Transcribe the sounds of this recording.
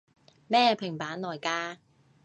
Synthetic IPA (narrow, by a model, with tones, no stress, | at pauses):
mɛː˥ɛ˧pʰɪ˨˩ŋpaː˨˥nlɔː˨˩jkaː˧˥